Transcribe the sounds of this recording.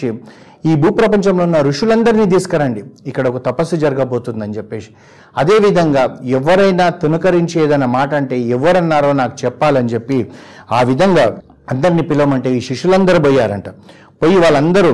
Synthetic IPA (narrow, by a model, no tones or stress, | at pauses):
i | iːbuːpɾɐpɐɲt͡ʃɐmloːunːɐɾuʂulɐnd̪ɐɾiniːd̪̬iːsu̥kɐɾɐɳɖiikːɐɽɐɔkɐt̪ɐpɐsːud͡ʒɐɾɐɡɐbo̞ːt̪und̪ɐnt͡ʃɛpːe̞ːʂi̥ | ɐd̪e̞ːʋid̪ʱɐŋɡaːɛʋːɐɾɐjnaːt̪unɐkɐɾiɲt͡ʃeːd̪ɐnːɐmaːʈɐɐɳʈe̞ːɛʋːɐɾɐnːaːɾo̞ːnaːku̥t͡ʃɛpːaːliɐnt͡ʃepːiaːʋid̪ʱɐŋɡaː | ɐnd̪ɐɾinipilɐʋɐmɐɳʈe̞ːiːʃiʂulɐnd̪ɐɾuboːjːaːɾɐ̰ɳʈa | poːjiʋaːɭːɐnd̪ɐɾu